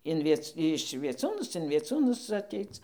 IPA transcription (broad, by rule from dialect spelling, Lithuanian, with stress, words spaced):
ɪn ˈʋʲiɛt͡s ɪʃ ʋʲiɛˈt͡suːnʊs ɪn ʋʲiɛˈt͡suːnʊs ɐˈtʲɛɪt͡s